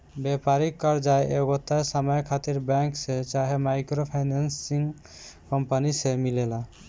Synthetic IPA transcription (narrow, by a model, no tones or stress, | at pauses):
bepaɾikːɔɾd͡ʒaeeɡot̪ːasəməjkʰat̪iɾbɛ̃ŋkset͡ʃaɦemajkɾopʰajnansiŋ | kɔmpənisemilela